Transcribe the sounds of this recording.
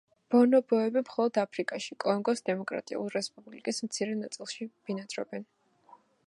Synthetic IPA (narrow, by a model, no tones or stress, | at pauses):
b̥ɔnɔbɔɛbimχɔlˠɔd̪apʰɾikʼaʃikʼɔŋɡɔsd̪ɛmɔkʼɾa̰t̪ʼḭulˠɾɛspʼublikʼismt̪sʰiɾɛnat̪sʼilˠʃib̥inat̪sʼɾɔ̰bɛn